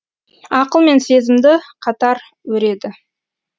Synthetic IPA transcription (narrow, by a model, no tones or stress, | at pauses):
ɑqəlˠme̞nse̞zɪmd̪ɪqʰɑt̪ɑɾ | wɵɾe̞d̪ɪ